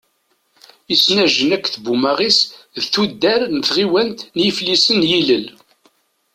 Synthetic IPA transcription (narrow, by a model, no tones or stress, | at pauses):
isnæʒənækːθbumæʁisðθud̪ːæɾnəθʁiwænt̪njiflisənjiləl